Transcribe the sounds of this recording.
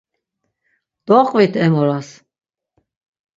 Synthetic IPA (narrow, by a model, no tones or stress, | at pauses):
d̪̥ɔqʼvit̪ʰɛmɔɾas